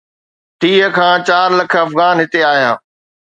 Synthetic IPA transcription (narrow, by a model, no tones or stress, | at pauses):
ʈ̪iːɦə̆kʰãːt͡ɕaːɾlɐkʰə̆ɐfɣaːnɦɪt̪eaːɦijãː